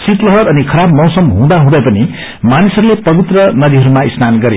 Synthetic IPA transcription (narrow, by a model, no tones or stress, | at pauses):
sit̪lʌɦʌɾʌnikʰʌɾabmʌwsʌmɦũd̪aɦũd̪ʌjpʌni | manisʌɾulepʌβit̪rʌnʌd̪iɦʌɾumaisnanɡʌɾe